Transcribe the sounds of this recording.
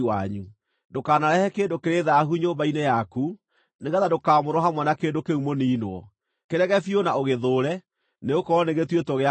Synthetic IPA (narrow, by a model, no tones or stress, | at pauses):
waɲu | dokaːnaɾɛhɛkeːndokeɾeðaːɦuɲoːmbainejaku | neɣɛðadokamoɾɔɦamwɛnakeːndokeumoniinwɔ̰ | keɾɛɣɛfionaoɣeðoːɾɛ | neokɔɾɔneɣetwetɔɣea